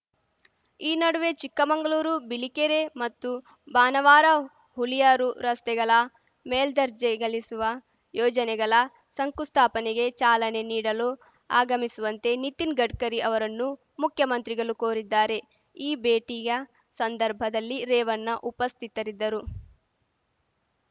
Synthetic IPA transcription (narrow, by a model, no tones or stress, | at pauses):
iːnɐɽuʋe̞t͡ʃikːɐmɐŋɡɐɭuːɾubilikeɾe̞mɐt̪ːu | baːnɐʋaːɾɐ | ɦulijaːɾuɾɐst̪ɛɡɐɭɐ | meːld̪ɐɾd͡ʒɛɡɐɭisuʋɐ | jɔːd͡ʒɐnɛɡɐɭɐ | sɐŋkust̪ʰaːpɐnɛɡe̞t͡ʃaːlɐne̞niːɽɐlo | a̰ːɡɐmisuʋɐnt̪e̞nit̪inɡɐɖkɐɾiʔɐʋɐɾɐnːu | mukʰjɐmɐnt̪ɾiɡɐɭukoːɾid̪ːaːɾe̞ | iːbeːʈijɐ | sɐnd̪ɐɾbʱɐd̪ɐlːiɾɛːʋɐnːɐʔupɐst̪ʰit̪ɐɾid̪ːɐɾu